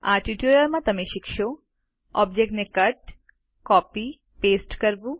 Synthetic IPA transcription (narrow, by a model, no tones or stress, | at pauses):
aʈiʈiuɾɐɾmat̪ɐmeʃikʃo | ɔbd͡ʑek̚ʈnekɐʈ | kɔpi | peːsʈkəɾbu